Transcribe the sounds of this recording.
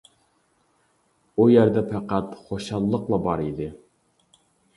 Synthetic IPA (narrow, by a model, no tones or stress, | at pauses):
ujæɾd̪ɛpʰæqæt̪χoʃɑlˠːəqlˠɑbɑɾid̪ɪ